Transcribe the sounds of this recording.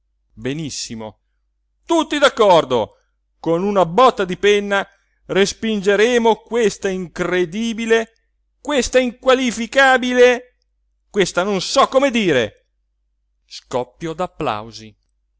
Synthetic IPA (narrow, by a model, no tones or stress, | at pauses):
benisːimo̰ | t̪ut̪ːid̪akːɔrd̪o | konunabɔt̪ːad̪ipenːa | respind͡ʒeɾeːmokwest̪aiŋkred̪iːbile | kwest̪aiŋkwalifikaːbile | kwest̪anonsɔkːomed̪iːɾḛ | skɔpːjod̪apːla̰wzi